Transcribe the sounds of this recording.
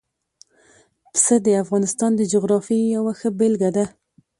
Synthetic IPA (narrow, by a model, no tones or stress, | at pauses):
psəd̪əafɣɑnɪst̪ɑnd̪əd͡ʒʊɣɾɑfijawaxəbelɡad̪a